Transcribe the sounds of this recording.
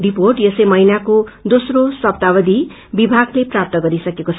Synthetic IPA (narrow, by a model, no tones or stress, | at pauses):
riporʈjʌsʌjmʌɦinakod̪osrosʌp̚t̪abʌd̪i | bibʱaɡleprap̚t̪ʌɡʌɾisʌkekot͡sʰ